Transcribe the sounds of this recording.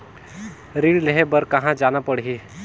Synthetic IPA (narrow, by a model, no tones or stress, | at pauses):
ɾiɽleɦebəɾkəɦãd͡ʒanapəɽɦi